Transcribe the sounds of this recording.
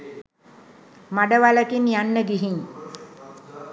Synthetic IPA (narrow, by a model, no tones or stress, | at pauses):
maɖəʋaləkinjanːəɡiɦiɲ